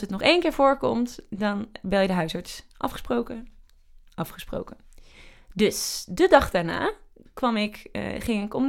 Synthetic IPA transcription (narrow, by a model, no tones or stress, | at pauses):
sətnɔχejnkɪːɹvʊːɹkɔ̰mtdɑnbɛlˠjədəɦœɥsɑɹtsʔɑfχə̥sprok | ʔɑfχəspro̰wkən | dɵsdədɑχd̥aːɹna̰ːkʋɑmɪkχɪŋɪkɔm